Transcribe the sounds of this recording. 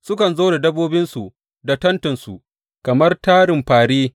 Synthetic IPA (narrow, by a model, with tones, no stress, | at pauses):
sʊ˦kɐ˨nzoː˦da˨dɐ˦bːoː˦bɪ˦nsu˨ | da˨tɐ˦ntɐ˨nsu˨ | kɐ˨mɐ˦rtaː˦ɽɪ˨mɸaː˨ɽiː˦